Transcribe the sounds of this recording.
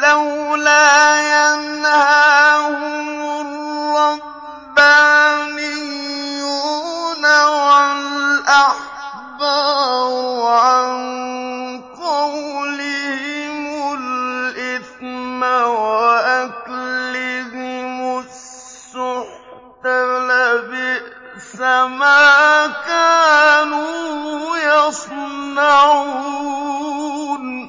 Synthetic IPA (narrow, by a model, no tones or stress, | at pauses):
lawlaːjanhaahʊmʊrɑ | banɪjunaʕalʔaħ | baː | ʕan | qɑwlɪhɪmʊlʔɪθmawaʔaklɪɦɪmʊ | s | ʊħ | t̪alabɪ | samaːkaːnu | jasnaʕu | n